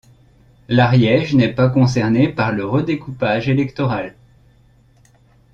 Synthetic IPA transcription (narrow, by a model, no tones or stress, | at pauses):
laʁjɛʒnɛpakɔ̃s̬ɛʁnepaʁləʁəd̪ekupaʒelɛkt̪ɔʁal